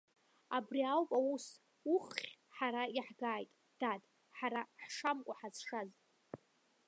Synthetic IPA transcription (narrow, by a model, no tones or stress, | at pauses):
abriawpʼawus | uχːʲħaɾaiħɡaːjtʼ | d̥atʼ | ħaɾaħʂamkʷʼaħazʂazʼ